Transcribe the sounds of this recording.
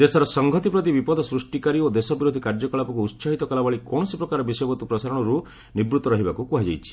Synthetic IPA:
d̪esɔɾɔsɔŋɡʱɔt̪ipɾɔt̪̬ibipɔd̪ʱɔsɾusʈikaɾiod̪esɔbiɾod̪ʱikaɾd͡ʒɔkɔɭapɔkuːt̪saɦit̪ɔkalabaɭikɔɽ̃ɔsipɾɔkaɾɔbisɔjɔbɔt̪upɾɔsaɾɔɽ̃ɔɾu | nibɾut̪ɔɾɔɦibakukuɦad͡ʒajt͡ʃʰi̥

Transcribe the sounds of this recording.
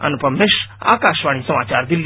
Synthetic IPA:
ɐ̰npɐmeʃa̰ːkaːʃʋaːɽ̃isɐmaːt͡ʃaːɾd̪ɪlː

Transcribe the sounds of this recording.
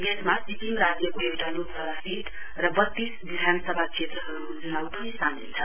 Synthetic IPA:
ɡesmasipinɾad͡zjʌkoewʈalobʱʌɾasiʈ | rʌbʌt̪ːisbid̪ʱansʌbʱat͡sʰet̪ɾʌɦʌɾud͡zunawpʌnisanḭnt͡sʰʌ

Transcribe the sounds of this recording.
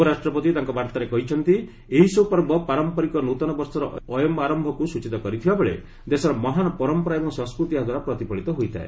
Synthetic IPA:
ɔɾasʈɾɔpɔt̪it̪aŋkɔbaɾt̪aɾekɔɦit͡ʃʰɔnt̪i | eɦisɔpɔɾbʱɔpaɾɔmpɔɾikɔnot̪ɔnɔbɔɾsɔɾɔɔjɔmaɾɔmbʱɔkusut͡ʃit̪ɔkɔɾit̪ʰibabeɭḛ | d̪esɔɾɔmɔɦanpɔɾɔmpɔɾaebɔŋsɔ̃ŋskɾut̪iaɦd̪waɾapɾɔt̪ipɔɭit̪ɔɦojt̪ʰa̰ḛ

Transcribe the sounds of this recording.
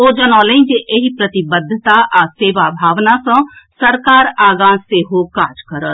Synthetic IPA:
oːd͡ʒənɔːlẽd͡ʒeʔeɦipɾət̪ɪbəd̪ʱːət̪aʔaseːʋabʱaːʋnasə̃səɾkaːɾaːɡãːseɦokaːd͡ʒkəɾət̪

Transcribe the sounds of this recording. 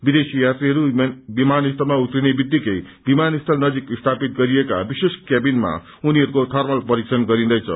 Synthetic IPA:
bid̪esijat̪riɦʌɾubimanist̪ʰʌlmaut̪rinebid̪ːikʌj | bimanist̪ʰʌlnʌd͡zikist̪ʰapit̪̚ɡʌɾieka̰biseskjabinma̰ | uniɦʌɾukot̪ʰʌrmʌlpʌɾiksʌnɡʌɾind̪ʌjt͡sʰʌ̰

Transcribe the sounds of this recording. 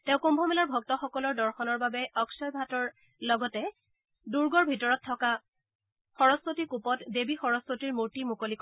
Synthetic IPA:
tɛ̃ʊ̃kombʱɔmɛlaɹbʱɔk̚tɔxɔkɔlɔɹdɔɹxɔnɔɹbabɛɔksɔjbʱatɔɹ | lɔɡɔtɛ | duɹɡɔɹbʱitɔɹɔtʰːɔka | xɔɹɔspotikupɔtdebixɔɹɔspotiɹmuɹtimukolik

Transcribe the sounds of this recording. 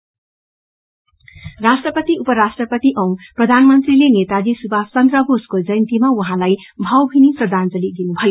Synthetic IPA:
rasʈrʌpʌt̪iupʌɾasʈrʌpʌt̪iʔʌw̃prʌd̪ʱanmʌnt̪rilenet̪ad͡zisubʱast͡sʌnd̪rʌbʱoskod͡zʌjnt̪imawuɦãlajbʱʌwbʱiniprʌd̪ʱand͡zʌlid̪inubʱʌjo

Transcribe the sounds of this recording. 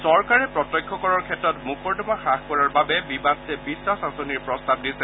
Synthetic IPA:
sɔɹkaɹɛpɹɔtɔjkʰːɔkɔɹɔɹkʰɛtːɹɔtmukɔɹdɔmaxaxkɔɹaɹbabɛbibatɛbisasasɔniɹpɹɔstab̚disɛ

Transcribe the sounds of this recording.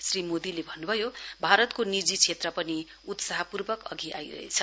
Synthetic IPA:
srimod̪ilebʱʌnːubʱʌjobʱaɾʌt̪konid͡zit͡sʰet̪rʌpʌni | ut̪saɦʌpurbʌkʌ̰ɡʱiʔa̰jrʌ̰ɦḛt͡sʰʌ

